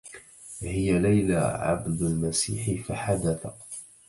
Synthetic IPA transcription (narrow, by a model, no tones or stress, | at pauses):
hɪjalajla̰ʕa̰bd̪almasḭːħɪfaħad̪aθa